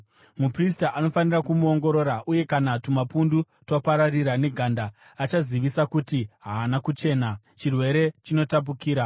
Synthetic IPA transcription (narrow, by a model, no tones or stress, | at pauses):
mupristaʔano̞fanirakumuo̞ŋɡo̞ɾo̞ːɾaʔuje̞kanatumapundu | topaɾariɾane̞ɡʱandaː | t͡ʃaziʋisakutiɦaːnakut͡ʃe̞ːna | t͡ʃirwe̞ɾe̞t͡ʃino̞tap̬ukiːɾa